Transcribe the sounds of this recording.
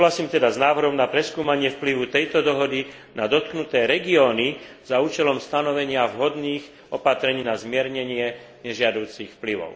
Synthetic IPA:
uɦlasiːmt̪ɛd̪aznaːʋr̩ɦɔmnapɾɛskuːmaɲɪɛfpliʋut̪ɛjt̪ɔd̪ɔɦɔd̪i | nad̪ɔt̪̚knut̪ɛːɾɛɡiɔːni | z̥auːt͡ʃɛlɔmst̪anɔʋɛɲɪavɦɔd̪niːx | ɔpat̪ɾɛɲiːnazmɪɛɾɲɛɲɪɛ | ɲɛʒɪad̪uːt͡sixfpliʋɔ̰ʊ

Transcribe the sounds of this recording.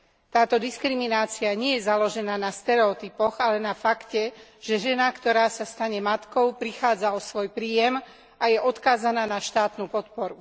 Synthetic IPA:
t̪aːt̪ɔd̪iskɾiminaːt͡siaɲɪɛjɛzalɔʒɛnaːnast̪ɛɾɛɔt̪ipɔɣalɛnafakcɛʒ̥ɛʒɛnakt̪ɔɾaːsast̪aɲɛmat̪kɔʊpɾixaːd͡zaɔsʋɔjpɾiːjɛm | ajɛʔɔt̪kaːzanaːnaʃt̪aːt̪nupɔt̪̚pɔɾu

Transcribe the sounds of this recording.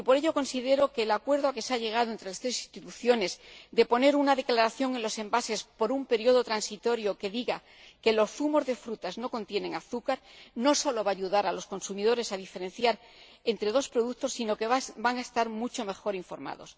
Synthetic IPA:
ipo̞ɾe̞ʎo̞ko̞nsiðe̞ɾo̞ke̞ːlakwe̞ɾð̞oake̞seaʎe̞ɣ̞aðoe̞nt̪ɾe̞last̪ɾe̞si̥st̪it̪uθjo̞ne̞zd̪e̞po̞ne̞ɾunaðe̞klaɾaθjo̞ŋe̞nlo̞se̞mbase̞spo̞ɾumpe̞ɾjo̞ð̞o̞t̪ɾansit̪o̞ɾjo̞ke̞ðiɣa | ke̞lo̞sθumo̞zðe̞fɾut̪azno̞ko̞nt̪je̞ne̞ŋaθukaɾno̞so̞lo̞βaːʝuðaɾalo̞sko̞nsumið̞o̞ɾe̞saðife̞ɾẽ̞nθjaɾ | e̞nt̪ɾe̞ð̞o̞spɾo̞ðut̪o̞sːino̞keβbaŋaest̪aɾmut͡ʃo̞me̞xo̞ɾiɱfo̞̰ɾma̰ðo̞̰s

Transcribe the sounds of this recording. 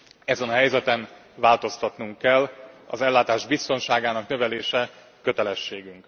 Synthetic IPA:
ɛzɛnɒɦɛjzɛt̪ɛn | vaːlt̪o̞st̪ɒt̪nuŋkːɛlːɒ̰zɛlːaːt̪aːʒbist̪o̞nʃaːɡaːnɒknø̞vɛleːʃɛ | kø̞t̪ɛlɛʃːeːɡyŋk

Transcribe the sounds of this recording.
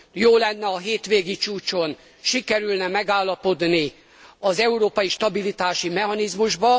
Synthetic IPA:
joːlɛnːɛɒɦeːt̪ʋeːɡit͡ʃuːt͡ʃo̞n | ʃikɛɾylnɛmɛɡaːlːɒpo̞d̪ni | ɒzɛuɾoːpɒjiʃt̪ɒbilit̪aːʃimɛɦɒnizmuʒbɒ

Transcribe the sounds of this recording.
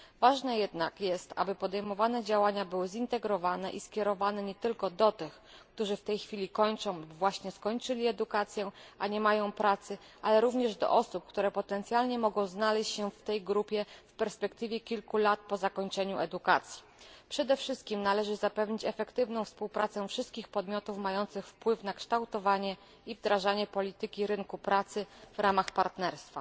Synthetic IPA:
vaʐnɛjɛd̪nakjɛst̪a̰bɘpɔd̪ɛjmɔvanɛd͡ʑawaɲabɘwɘzint̪ɛɡɾɔvanɛʔiskʲɛɾɔvanɛɲɛt̪ɘlkɔd̪ɔt̪ɘx | kt̪uʐɘft̪ɛjxfʲilʲikɔɲt͡ʂɔ̃w̃vwaɕɲɛskɔɲt͡ʂɘlʲiɛd̪ukat̪sʲjɛʔaɲɛmajɔ̃w̃pɾat̪sɘ | ʔalɛɾuvɲɛʐd̪ɔ̰ʔɔsup̚kt̪uɾɛpɔt̪ɛnt̪sʲjalɲɛmɔɡɔ̃w̃znalɛɕt͡ɕɕɛft̪ɛjɡɾupʲjɛfpɛɾspɛkt̪ɘvʲjɛkʲilkulat̪̚pɔzakɔɲt͡ʂɛɲuʔɛd̪ukat̪sʲji | pʂɛd̪ɛfʂɘst̪̚kʲimnalɛʐɘzapɛvɲit͡ɕɛfɛkt̪ɘvnɔ̃w̃fspuwpɾat̪sɛfʂɘst̪̚kʲixpɔd̪mʲjɔt̪ufmajɔnt̪sɘxfpwɘfnakʂt̪awt̪ɔvaɲɛ | ivd̪ɾaʐaɲɛpɔlʲit̪ɘkʲiɾɘŋkupɾat̪sɘvɾamaxpaɾt̪nɛɾst̪fa̰

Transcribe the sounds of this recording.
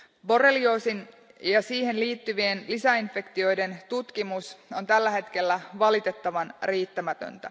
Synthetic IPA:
bo̞relio̞ːsin | jɑsiːhe̞nliːt̪ːyʋie̞nlisæinfe̞kt̪io̞jde̞nt̪ut̪kimuso̞nt̪ælːæɦe̞t̪k̟e̞lːæʋɑlit̪e̞t̪ːɑʋɑnriːt̪ːæmæt̪ø̰nt̪æ

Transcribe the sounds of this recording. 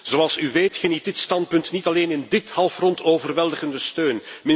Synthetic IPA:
z̥oɑlˠsyʋeːtxənit̚dɪtstɑnt̚pɵntnitɑleːnɪndɪthɑlˠfrɔntoːvərʋɛlˠdəɣəndəstøːnmɪ

